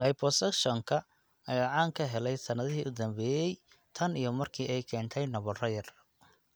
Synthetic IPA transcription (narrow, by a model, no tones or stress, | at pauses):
lɐjpʰɔsɛkʃɔŋkʰɐ | ɐjaːʕaːŋkʰɐɦɛlɛjsɐnɐðɐɦiːʔʊd̪ɐmbɛːjɛj | t̪ʰɐnijɞmɐrkʰiːʔɛjkʰɛːnt̪ʰɛjnɐβɔrɐjɐr